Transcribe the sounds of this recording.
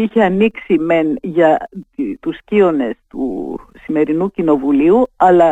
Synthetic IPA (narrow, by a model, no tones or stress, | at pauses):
içeɐniksime̞nʝɐt̪uscio̞ne̞st̪ṵsime̞ɾinucino̞vuliuɐlɐ